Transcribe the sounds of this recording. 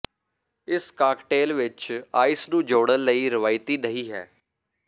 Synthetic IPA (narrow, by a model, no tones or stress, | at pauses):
ɪskaːkʈeːlʋɪt͡ʃaːɪsnũːd͡ʒoːɽənləiːɾɪʋaːɪt̪iːnəɦiːɦɛ̰ː